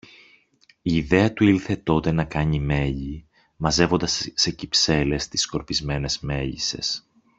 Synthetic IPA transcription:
iːðe̞ɐt̪uilθe̞t̪o̞t̪e̞nɐkɐɲime̞ʎi | mɐze̞vo̞nd̪ɐsːe̞cipse̞le̞st̪i̥sko̞ɾpizme̞ne̞zme̞ʝḭse̞̰s

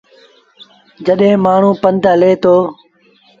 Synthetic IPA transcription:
d͡ʒəɗɦẽːmaːɳ̤ũːpənd̪ʱɦəleːt̪oː

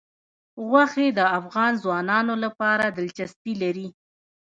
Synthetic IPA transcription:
ɣwaxed̪əafɣɑnzwɑnɑnolapɑɾad̪əlt͡ʃast̪ilaɾi

